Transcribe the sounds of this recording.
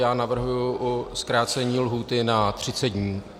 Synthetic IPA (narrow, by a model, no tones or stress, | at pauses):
jaːnavr̩ɦujuʔuskɾaːt͡sɛɲiːlɦuːt̪ɪnat̪r̝̥ɪt͡sɛd̪̚ɲiː